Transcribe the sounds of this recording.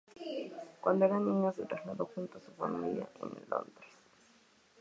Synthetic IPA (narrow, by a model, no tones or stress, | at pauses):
kwand̪oeɾanĩɲoset̪ɾazlaðoxunt̪oasufa̰mḭlja̰ʔenlo̰nd̪ɾe̥s